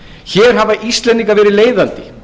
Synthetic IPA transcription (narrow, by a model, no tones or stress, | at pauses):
çɛːɾ̥ɦavaʔist̪lɛnt̪iŋkavɛːɾɪleːjðant̪ɪ